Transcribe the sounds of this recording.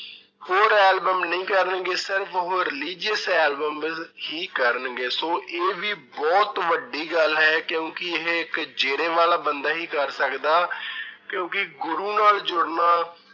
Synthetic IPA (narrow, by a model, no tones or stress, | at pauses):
hoːɾɛːlbəmnəĩːkəɾənɡeːsɪɾəfəɦoːɾɪliːd͡ʒəsɛːlbəmhiːkəɾənɡeːsoːʔeːʋiːbɔːt̪ʋəɖːiːɡəlɦɛːkjõːkɪɪɦeɪkd͡ʒeːɾeːʋaːlaːbənd̪aːɦiːkəɾsəkd̪aːkjõːkɪɡʊɾuːnaːld͡ʒʊɽnaː